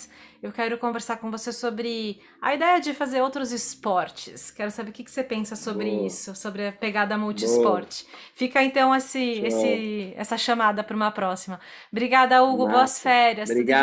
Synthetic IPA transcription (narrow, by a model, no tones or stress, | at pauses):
ewkɛɾʊkõveɾsaɾkõvosesobɾɪ | ɐ̰id̪ɛjɐd͡ʒɪfazeɾowt̪ɾʊzɪspɔɾt͡ʃɪskɛɾʊsabeɾkʲɪkɪ̥sepẽsɐsobɾɪisʊsobɾɪɐpeɡad̪ɐmuwt͡ʃispɔɾt͡ʃɪ̥ | fikɐẽnt̪ɐ̃w̃esɪesɪɛ̰sɐʃɐmad̪ɐpɾũmɐpɾɔsimɐ | bɾiɡad̪ɐauɡʊboɐsfɛɾjɐsbɾiɡa